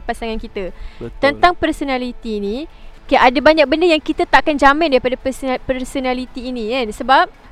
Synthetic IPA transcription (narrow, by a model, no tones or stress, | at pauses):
pasaŋankit̪ət̪ənt̪aŋpərsonãlit̪iːnĩkaʔadabaɲak̚bəndəjaŋkit̪ət̪aʔkand͡ʒamɪ̃ndaɾipadapərsonãlit̪iːnĩkansəbap̚